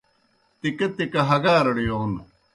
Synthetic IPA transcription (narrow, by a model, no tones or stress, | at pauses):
t̪ikɐt̪ikɐɦɐɡaːɾɐɽijoːn